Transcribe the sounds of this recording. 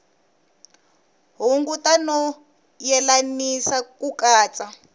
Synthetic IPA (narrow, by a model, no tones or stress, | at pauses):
ɦuŋɡutʼanɔ | jɛlanisakukaːt͡sa